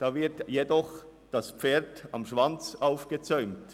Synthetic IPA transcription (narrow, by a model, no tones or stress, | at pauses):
d̥ɑːvɪɐtjedɔχ | d̥aspp͡feːɐdɑmʃvant͡sʔaʊfɡ̥ət͡sœʏmt